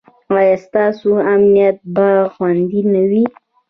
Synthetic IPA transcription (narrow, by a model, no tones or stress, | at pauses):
wɑjast̪ɑsoamnijat̪̚baxwand̪inawi